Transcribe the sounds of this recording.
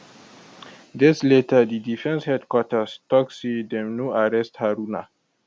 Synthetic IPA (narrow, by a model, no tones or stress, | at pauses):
dɛsletədidifɛ̃nshɛdkwɔtəstɔk̚sidɛmnuaɹɛsthaɾuna̰